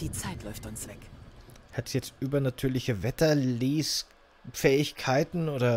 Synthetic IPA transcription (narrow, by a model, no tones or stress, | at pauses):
d̥iːt͡saɪtlɔʏftʊnsv̥ɛkhatsjɛt͡stʔyːbɐnatʰyːɐlɪçəvɛtɐleːs | fɛːɪçkʰaɪtn̩oːdɐ